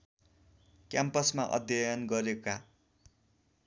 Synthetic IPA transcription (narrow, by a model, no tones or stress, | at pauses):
kjampʌsmaʔʌ̰d̪ʱjʌjʌnɡʌɾeka